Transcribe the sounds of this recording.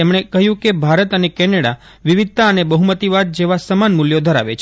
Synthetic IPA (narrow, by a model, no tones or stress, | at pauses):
emɳ̃ekəɦjũkebʱaɾət̪ənekɛneɽa | ʋiʋid̪̚t̪aənebəɦumət̪iʋad̪̚d͡ʒeʋasəmanmuljod̪ʱəɾa̰ʋḛt͡ʃʰ